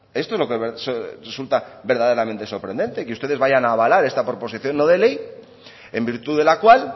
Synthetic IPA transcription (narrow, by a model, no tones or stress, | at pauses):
e̞st̪oezlo̞keβesoresult̪aβe̞ɾðað̞e̞ɾament̪e̞so̞ɾpɾe̞nd̪e̞nt̪ekeust̪e̞ð̞e̞zβaʝanaːβalaɾe̞st̪apɾo̞po̞siθjo̞nːoðe̞le̞j | e̞mbiɾt̪uðe̞lakwal